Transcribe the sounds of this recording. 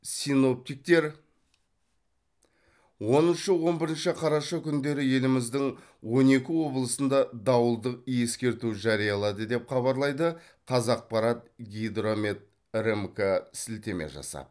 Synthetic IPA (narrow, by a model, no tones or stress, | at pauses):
sijno̞p̚t̪ijk̚t̪e̞ɾ | wo̞nənʃəwo̞nbɪɾənʃɪqʰɑɾɑʃɑkʲʰʏnd̪e̞ɾɪje̞lɪmɪzd̪ɪŋ | wo̞ne̞kʲɪwo̞blˠəsənd̪ɑd̪ɑwəlˠd̪əqijje̞skʲe̞ɾt̪uʒɑɾijɑlˠɑd̪əd̪e̞pχɑβɑɾlˠɑjd̪ə | qʰɑzɑq̚pɑɾɑt̪̚ɡʲijd̪ɾo̞met̪̚ | ɾemkasɪlt̪e̞mḛʒɑ̰sɑ̰d̪